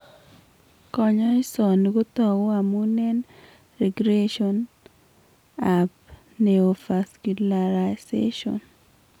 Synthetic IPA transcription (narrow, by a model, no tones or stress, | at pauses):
kɔɲɔɪsɔnɡot̪ɔɡɔamunɛn | rɛɡɾeʃɔn | ap | neofaskulaɾasḛʃɔ̰n